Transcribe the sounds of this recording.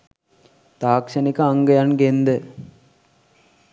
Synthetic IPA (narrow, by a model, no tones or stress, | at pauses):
t̪aːkʂɐnikɐaŋɡɐjanɡend̪ə